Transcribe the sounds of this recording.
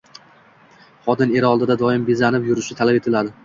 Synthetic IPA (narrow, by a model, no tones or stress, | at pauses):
χɒd̪ɪne̞ɾɪɒlˠd̪ɪd̪ad̪ɒɪmbezanɪpjʊɾɪʃɪt̪ʰalape̞t̪ʰɪlad̪ɪ